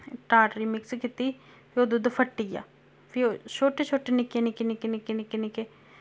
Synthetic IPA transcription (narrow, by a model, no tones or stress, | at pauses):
ʈaːʈɾiːmɪkskit̪iː | pʰioːd̪ud̪əpʰəʈːiːja̰ː | pʰɪot͡ʃʰoːʈeːt͡ʃʰoːʈeːnɪkeːnɪkenɪkenɪkenɪkenɪkeː